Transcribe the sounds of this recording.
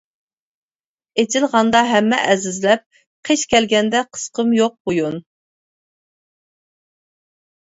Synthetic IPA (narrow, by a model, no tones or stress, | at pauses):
et͡ʃʰɪlˠʁɑnd̪ɑɦɛmːɛ̰ʔɛzɪzlɛp̚ | qʰeʃkʲɛlɡʲɛnd̪ɛqʰə̥sqəmjoq̚bojun